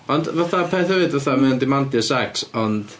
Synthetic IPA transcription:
ɔndvaθapʰeθhɨɨdvaθamɛndɪmantjəsaksɔnd̥

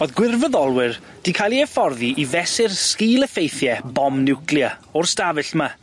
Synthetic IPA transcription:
oðɡwɪrvəðɔlˠwɪr | d̥ikʰalˠiɛfɔrðiʔivɛsɪrskiːlˠəfejθjɛbɔmnɪwkljaɔrstavɨɬma

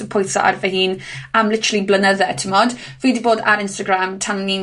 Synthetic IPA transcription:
əpʰʊjθɔ̰ʔa̰rvahiːn | amlɪtʰəɾəlˠiblənəðɛtʰəmɔd | viːdiboːda̰ɾɪnstəɡɾamtʰanlin

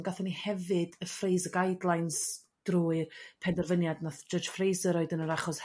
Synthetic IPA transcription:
ɡaθɛnihɛvɨdəfrejzəɡajdlˠajns | d̥ruːɨrpʰɛndɛrvənjadnaθd͡ʒəd͡ʒ̥frejsəɾɔɨdənəɾaχɔs

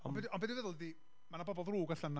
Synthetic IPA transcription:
ɔnbɛdɔnbɛdɪvəðəlˠdi | manabɔbɔðruːɡaɬəna

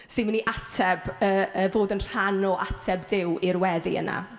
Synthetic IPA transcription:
sɪməniʔatʰɛbəːəvoːdənr̥anɔʔatʰɛbdɪwiɾwɛðḭə̰na̰

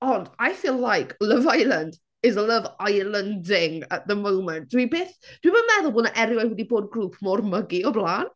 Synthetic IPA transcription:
ɔndajfiːlːajkʰlʌvajlˠə̃nd | ɪzələvajlˠəndɪŋə̰t̚ðəmowmɛ̃nt̚d̥wibeːθd̥wibəmɛðʊlˠboːdnəʔɛɾjwɛd̚wɛdiboːd̚ɡruːpʰmɔrməɡiɔblˠaːn

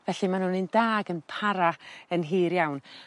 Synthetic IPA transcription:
vɛɬimanʊnindaːɡənpʰaɾaənɦiːɾjawn

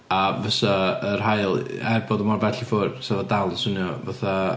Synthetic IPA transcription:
avəsaər̥ɦajlˠɛboðɔmarbɛɬifʊrsɛðadalˠəsʊnjɔvaθa

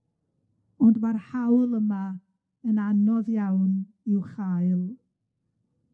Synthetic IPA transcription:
ɔndwarhawlˠəma | ənanɔðjawn | ɪwχajlˠ

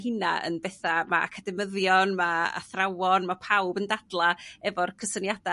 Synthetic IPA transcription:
ɦɪna̰ə̰nbɛθamaa̰kʰadɛməðjɔnmaa̰θrawɔnmapʰawbəndad̥lˠaɛvɔrkʰəsənjada

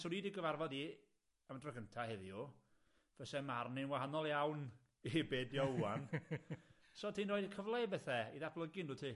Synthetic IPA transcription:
sɔɾiːdɪɡəvarvɔdi | əmdrɔɡəntʰahɛðiu | v̥əsɛmarnɪnwaɦanɔlˠjawn | ibeːdjɔuan | soːtʰiːnroːɨdəkʰəvlˠejbɛθɛiðapʰlˠəɡɪnuːtʰiː

